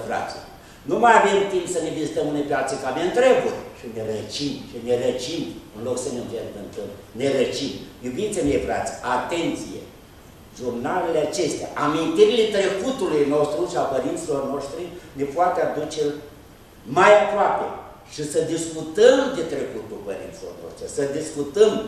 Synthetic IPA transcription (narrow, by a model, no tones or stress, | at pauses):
fɾa̰t̪s | numajave̞mt̪impsəne̞vizit̪əmɨnepeat̪səkameɨnt̪ɾe̞burʃinelət͡ʃimʃine̞lət͡ʃimɨnlo̞ksəneɨnveɡənt̪əmne̞lət͡ʃimjubint̪semʲeefɾa̰t̪sʲat̪e̞nt̪sijḛ | ʒurnale̞leat͡ʃe̞st̪ea̰ʔamint̪iɾile̞t̪ɾe̞kut̪ulujno̞st̪ɾuʃiapəɾint̪silo̞rno̞ʃt̪ɾine̞poat̪ead̪ut͡ʃe | majapɾoapḛ | ʃisəd̪iskut̪əmd̪et̪ɾe̞kut̪ulpəɾḭnt̪silorno̰ʃt̪ɾisəd̪iskut̪əm